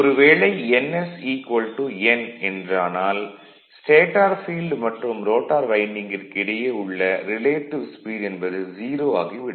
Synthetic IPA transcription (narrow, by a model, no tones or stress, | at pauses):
ɔɾɯʋeːɭɐɪɛnɛsiːkʋɐlʈuɛnɛndraːnaːl | sʈeːʈːaːɾfiːlɖmɐʈrɯmɾoːʈːaːɾʋɐɪnɪŋɡɪrkɪɽɐjɐɯɭːɐɾɪleːʈːɪʋspiːɽɛnbɐðɯd͡ʒiːɾoːa̰ːɣiʋɪɽɐ